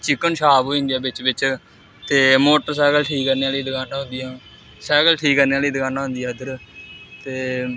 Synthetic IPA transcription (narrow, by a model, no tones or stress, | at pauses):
t͡ʃɪkːənʃaːboːiɪ̃nd̪ijaːbɪt͡ʃbɪt͡ʃ | t̪eːmoːʈəɾsɛːɡəlʈʰiːkːəɾneaːliːd̪əɡaːnaːɦʊ̃nd̪ijãː | sɛːɡəlʈʰiːkːəɾneaːliːd̪əɡãːnaːɦʊ̃nd̪ijãːd̪əɾt̪eː